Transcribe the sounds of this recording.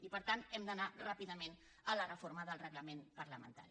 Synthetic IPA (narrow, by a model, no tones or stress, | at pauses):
ipəɾt̪anɛmd̪ənarapiðəmen | ələrəfoɾməðəlˠrəɣləmenpəɾləmə̰nt̪a̰ɾi